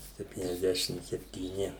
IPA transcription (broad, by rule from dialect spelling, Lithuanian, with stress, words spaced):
sʲɛpʲtʲiːnʲɛzʲˈdʲæːʃʲɪm sʲɛpʲtʲiːˈnʲɪ